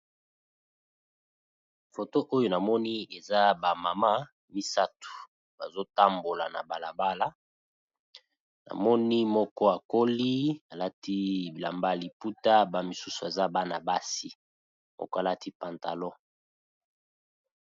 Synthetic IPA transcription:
fo˨to˦ʔo˦jo˨na˨mɔ˦ni˦e˨za˦ba˨ma˨ma˦ | mi˦sa˦tu̥˨ | ba˨zo˦ta˦mbo˨la̰˨na̰˨ba˨la˨ba˦la˦ | na̰˨mɔ˦ni˦mɔ˦kɔ˦a˨ko˦li˦a˨la˦ti˦bi˨la̰˨mba˦˨li˨pu˦ta˦ba˦mi˨su˦su˨e˨za˦ba˦na̰˨ba˦si˦ | mʔɔ̰˦kɔ˦a˨la˦ti˦pa˨nta˨lɔ˦

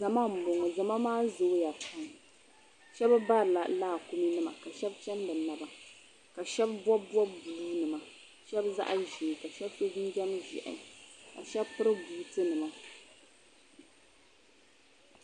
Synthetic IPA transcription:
za˨ma˦m̩˨bo˨ŋɔ˨za˨ma˦maː˦zo˨˦ja˨pʰa˨˦ŋ | ʃɛ˦ba˦ba˦ɾɨ˨la̰˨laː˦˨ku˦mi˦nɨ˦ma̰˨ka˨ʃɛ˦bt͡ʃɛ˦n˦dɨ˨na˨ba˨ | ka˨ʃɛ˦bbɔ˦bɔ˦bbu˨uː˦nɨ˨ma˨ | ʃɛ˦bza̰˦ʔa̰˦ʒe˨ka˨ʃɛ˦bso˦d͡ʒi˦d͡ʒɛ˦m˦ʒɛ̰˨ʔɪ̰˨˦ka̰˨ʃɛ˦bpɨ˦ɾɨ˦buː˨tɨ˦nɨ˨ma˨

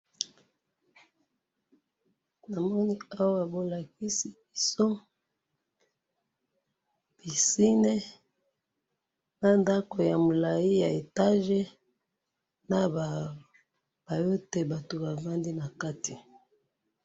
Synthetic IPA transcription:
na˨mɔ˦ni˦a˦wa˦a˨bo˨la˨ki˦si˨bi˨so˦ | b̥i˨si˦ne˦ | na˦nda˦ko˨ja˨mo˨la˨ji˦ja˨e˨ta˦ʒe˦ | na˦˨ | b̥a˨jo˦te˦ba˨to˨ba˨va˦ndi˦na˨ka˦ti˨

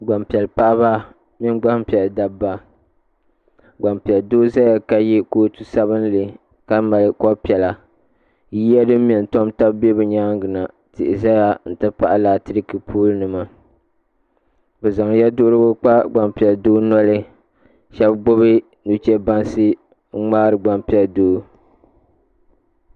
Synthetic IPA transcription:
ɡ͡ba˨mpɛ˨lpa˦ʔba˦ | mi˦nɡ͡ba˦hpi˨ɛ˨lda˨bbːa˦ | ɡ͡ba˨mpi˨ɛ˨ldoː˦za˦ja˨ka˦ji˦koː˦tu˦sa˦bɨ˦n˦lɨ˨ | ka˦ma˨lɨ˨˦kɔ˦pi˨ɛ˨la˨˦ | ji˦a˦dɨ˦m˦mɛ˨n˨to˦mta˦bbe˦bɨ˨ɲaː˦ŋɡɨ˨na˨ | tɪ̰˨ʔɪ˨za˦ja˨n̩˨tɨ˦pa˦˨ʔa˦laː˨tɨ˦ɾɨ˦kɨ˨pʰuː˦lɨ˦nɨ˨ma˨ | bɛ˨za˨ŋ˦ja˦dʊ˦ʔɾɨ˦bʊ˦k͡pa˦ɡ͡ba˨mpi˨ɛ˨ldoː˦nɔ˦lɨ˦ | ʃɛ˦bɡ͡bʊ˦βɨ˦ | nu˨t͡ʃɛ˦ba˦nsɨ˦ | ŋ̩˦ŋ͡maː˦ɾɨ˨ɡ͡ba˨mpi˨ɛ˨ldoː˦

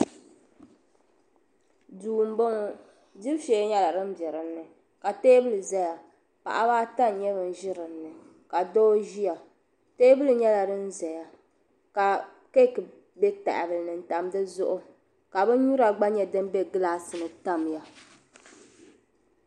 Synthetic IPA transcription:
duː˨m˦bɔ˦ŋɔ˦ | di˦bʃɛː˨˦ɲɛ˦la˨ɾɨ˦m̩˦bjɛ˨ɾɨ˨nːɨ˨ | ka˨teː˦bɨ˦lɨ˨za˦ja˨ | pa̰˨ʔa˦βaː˦ta˦n˨ɲɛ˦βɨ˨n˦ʒɪ˦ɾɨ˨nː˦ɨ˨ | ka˨do˦ʒi˦ja˨ | teː˦bɨ˦lɨ˨ɲɛ˦la˨ɾɨ˦n̩˦za˨ja˨ | ka˨ | ke˦kɨ˨ | bɛ˦ta̰˨ʔa̰˨bɨ˨lnɨ˨n̩˨ta˨m˦dɨ˦zʊ˦ʔʊ˦ | ka˨bɨ˦ɲu˦ɾa˨ɡ͡ba˦ɲɛ˦dɨ˦m˦bɛ˦ɡɨ˦laː˦sɨ˨nɨ˨ta˦m˨ja˦

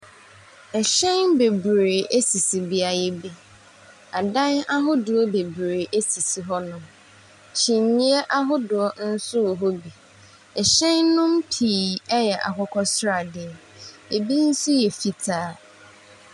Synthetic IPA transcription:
ɛ˨ɕɛ̃˦nbe˨bɾeː˨ʔe˦si˨si˨bi˦a˨jɛ˦bi˦ | a˨dã˦na˦ɦʊ˦dʊ˨ɔ˦be˨bɾeː˨ʔe˦si˨si˨ɦɔ˦nʊ̃˨m | t͡ɕʰĩ˨nːĩ˦ɛ˦ʔa˦ɦʊ˦dʊ˨ɔ˦n̩˦sʊ˦˨ɦɔ˦bi˨ | ɛ˨ɕɛ̃˦nnʊ̃˦mpʰiː˨ɛ˦jɛ˨ʔa̰˨kɔ˦kʰɔ˦sɾa˨dɪ˨ɛ˨ | e˨bi˦n̩˦sʊ˦jɛ˨fi˨tʰaː˨˦˨

